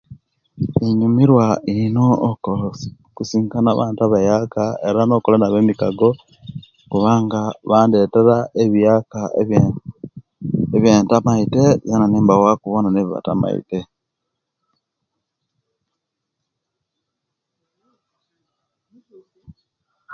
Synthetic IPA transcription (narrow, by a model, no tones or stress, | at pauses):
iɲumiɾwainoːkols | kusiːŋkanaβa̰ːntuaβajakaeɾano̞ːkolanaβemikaɡo | kuβaːŋɡaβaːnde̞ːteɾaeβijaka | eβjeːntamaitezananiːmbawakuβonaneβiβa̰ta̰ma̰ḭte